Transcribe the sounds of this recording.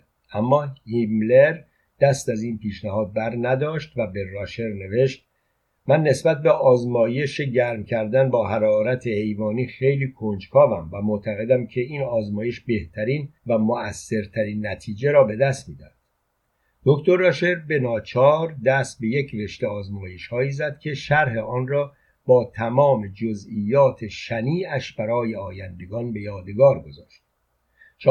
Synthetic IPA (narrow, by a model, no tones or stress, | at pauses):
ʔæmːɒːhimleɾ | d̪̥æst̪æziːnpiːʃnæhɒːd̪̚bæɾnæd̪ɒːʃt̪væbe̞rɒːʃe̞ɾne̞ve̞ʃt̪̚ | mænːe̞sbæt̪̚beʔɒːzmɒːje̞ʃe̞ɟæɾmcʰæɾd̪ænbɒːɦæɾɒːɾæt̪ʰehe̞jvɒːniːxe̞jliːkʰond͡ʒkʰɒːvæmvæmo̞ʔt̪ʰæɣe̞d̪æmcʰe̞iːnɒːzmɒːje̞ʃbe̞ht̪ʰæɾiːnvæmoæsːe̞ɾt̪ʰæɾiːnːæt̪ʰiːd͡ʒe̞ɾɒːbe̞d̪æst̪miːd̪æ̰d̪̥ | d̪̥o̞kt̪ʰo̞ɾːɒːʃeɾbe̞nɒːt͡ʃʰɒːɾd̪æst̪̚be̞je̞kve̞ʃt̪eɒːzmɒːje̞ʃhɒːiːzæd̪̥cʲʰe̞ʃæɾɦe̞ʔɒːnrɒː | b̥ɒːt̪ʰæmɒːme̞d͡ʒozʔiːjːɒːt̪ʰe̞ʃæniːæʃbæɾɒːje̞ɒːjænd̪e̞ɡɒːnbe̞jɒːd̪eɡɒːɾɡo̞zɒːʃt̪̚ | t͡ʃ